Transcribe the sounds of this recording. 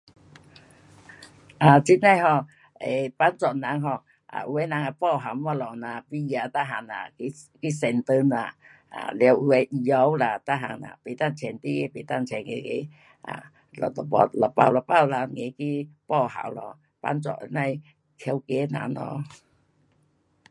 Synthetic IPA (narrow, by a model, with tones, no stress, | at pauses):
ʔa˨t͡ɕi˦˥na˧jɦɔ˧˩ | e˨˩pa˧˥nt͡sɔ˨na˨˧˦ŋɦɔ˧˩ | ʔa̰˨u˧e˧˦na˨˧˦ŋa˧˩pɔ˥˧˩ɦa˨˦ma˧lɔ˨na˧pi˧˨˧a˧˨t̪a˦˧ɦa˧˩na̰˨ki˧ki˦˧˦sɛ˨˩nt̪ə˧˦na˧˩ | a̰˨lɛ˧we˧ʔi˧jɔ˧˦wla˧˩t̪a˦˧˥ɦa̰˧˩ŋa̰˨˧˨pe˨˦t̪a˥˧˨nt͡ɕʰɛ˨nt̪i˧e˧˦pe˨t̪a˧˨nt͡ɕʰɛ˨˩nŋḛ˧ɡḛ˧˦ | ʔa̰˨ | lɔ̰˨tɔ˨pɔ̰˧˩lɔ˨pa̰˧˩˨wlɔ˧˨pa˥˧˨wla˧ŋe˨˦ki˦pɔ˧ɦa̰˨˦wlɔ˧˨ | pa̰˧˥nt͡sɔ̰˧˨ʔna˧˨j | t̪ʰja˧˦wke˧˦na̰˨˧˦nɔ̰˧˦